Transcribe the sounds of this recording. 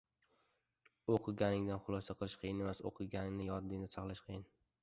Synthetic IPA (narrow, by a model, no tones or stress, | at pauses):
oqʰɨɡʲanɪŋd̪anχʊlˠɒsaqʰɨlˠɪʃqʰijɪne̞maso̰qʰɨɡʲanɪŋnɪjɒɾd̪ɪnɪsʰɑqlˠaʃqʰɨjɪn